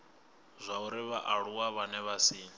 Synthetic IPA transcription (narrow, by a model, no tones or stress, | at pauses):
zʷauɾiβaʔaɺuwaβanɛβasiː